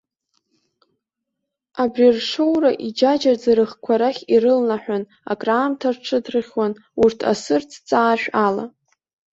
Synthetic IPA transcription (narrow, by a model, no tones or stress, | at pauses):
abrirʂowraʔid͡ʒad͡ʒard͡zaɾɨχkʷʰaɾaχʲirɨlnaħʷᶣan | a̰kʼraːmtʰarʈ͡ʂʰɨdrɨχʲwan | urtʰa̰sɨrt͡sʰt͡sʼaːʃᶣala̰